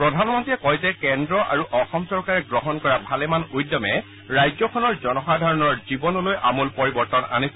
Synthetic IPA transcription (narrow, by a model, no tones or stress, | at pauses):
pɹɔdʱanmɔntiɛkɔjzɛkɛndɹɔʔa̰ɹuʔɔxɔmsɔɹkaɹɛɡɹɔɦɔnkɔɹabʱalɛmanujdɔmɛ | ɹajzɔkʰɔnɔɹzɔnɔxadʱaɹɔnɔɹzibɔnɔlojʔamulpɔɹibɔɹtɔna̰nis